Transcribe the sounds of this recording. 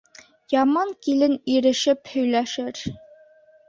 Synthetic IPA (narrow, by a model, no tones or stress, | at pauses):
jɑmɑŋkilɘniɾɘ̆ʃɘphɵ̆jlæʃɘɾ